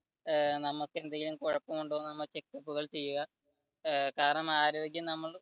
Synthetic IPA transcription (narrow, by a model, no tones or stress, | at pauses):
nɐmukːe̞nd̪eŋɡilumkuɻɐpːɐmuɳɖoːnɐmːɐɭt͡ɕe̞kːɐpːuɣɐɭt͡ɕe̞jːuɣɐ | kaːɾɐɳɐmaːɾɐðekːunɐmːɐɭ